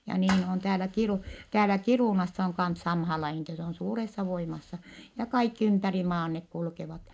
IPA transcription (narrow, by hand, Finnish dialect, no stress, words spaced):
jɑ niːn on tæːlæ kiruˑ tæːlæ kiruˑnɑsːɑ oŋ kɑns sɑmhɑː lɑihin etːɛ se on suːresːɑ ʋoimɑsːɑ jɑ kɑikːi ympæri mɑːn nek kulkeʋɑt